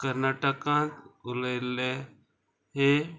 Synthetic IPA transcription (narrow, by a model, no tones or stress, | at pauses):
kəɾnaʈəkãt̪uləjle | ɦe